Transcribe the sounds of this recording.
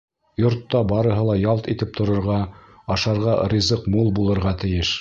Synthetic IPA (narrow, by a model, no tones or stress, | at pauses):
jŏɾt̪ːɑbɑɾɤ̆ɦɤlˠɑjɑlˠt̪it̪ɘp̚t̪ʰŏɾŏɾʁɑ | ɑʃɑɾʁɑɾʲizɤqmulˠbulˠɤ̆ɾʁɑt̪ɘ̆jɘʃ